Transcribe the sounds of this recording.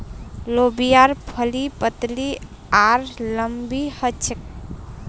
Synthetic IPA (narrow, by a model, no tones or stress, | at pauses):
lobijaɾpʰəlipət̪li | aɾləmbihət͡ʃʰək̚